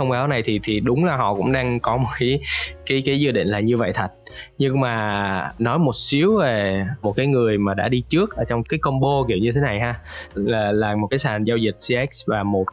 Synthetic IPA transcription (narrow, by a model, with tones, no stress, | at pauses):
ə˧wŋ͡mɓaː˨˦wna˨˩jt̪ʰi˨˩t̪ʰi˨˩ɗʊ˨˦wŋ͡mlaː˨˩hɔ̰˧˨kʊ̰˧˥ŋ͡mɗaː˧ŋkɔ˨˦mo˨˩t̚kaː˨˦jkaː˨˦jkaː˨˦jzɨː˧ɗḭ̈˧˨ŋ̟laː˨˩ɲɨ˧və̰˧˨jt̪ʰə˨˩t̟̚ɲɨ˧ŋmaː˨˩nɔ˨˦jmo˨˩t̚si˨˦əwve˨˩mo˨˩t̚kaː˨˦jŋɨ˨˩əjmaː˨˩ɗa̰ː˧˥ɗi˧t͡ɕɨ˦˥ək̚ʔəː˧˩t͡ɕɔ˧wŋ͡mkaː˨˦jkə˧ŋ͡mɓo˧kḭ˧˩əwɲɨ˧t̪ʰe˨˦na˨˩jɦaː˧aː˨˩laː˨˩mo˨˩t̚kaː˨˦jsaː˨˩nzaː˧wzï˨˩t̚si˧ʔɛ˦˥k̚svaː˨˩mo˨˩t̚